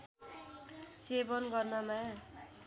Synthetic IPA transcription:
sebʌnɡʌrnʌmã

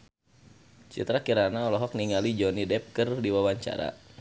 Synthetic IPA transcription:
t͡ʃḭt̪ɾakiɾanaɔlɔɦɔk̚niŋalid͡ʒɔnidɛp̚kɨrdiwawaɲt͡ʃa̰ɾa̰

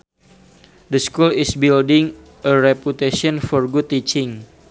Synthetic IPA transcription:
dəskulisbildɪŋ | ʔəɾɛput̪eʃiɔnfɔrɡud̚t̪it͡ʃɪŋ

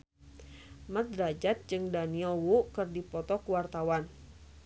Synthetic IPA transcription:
mət̪̚ɾad͡ʒat̪̚d͡ʒɨŋdaniɛlwukɨrdipɔt̪ɔkuwart̪awan

